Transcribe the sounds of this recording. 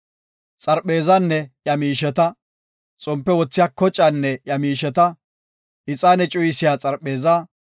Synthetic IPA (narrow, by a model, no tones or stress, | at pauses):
t͡sʼɐɾpʼːe̞ːzɐnːɛjɐmiːʃɛt̪ɐ | t͡sʼʊmpːɛwɔt͡sːɪjaːkɔt͡ʃʼːɐnːɛjɐmiːʃɛt̪ɐ | ʔɪt͡sʼaːnɛt͡ʃʼʊjɪsɪjaːt͡sʼɐɾpʼːe̞ːza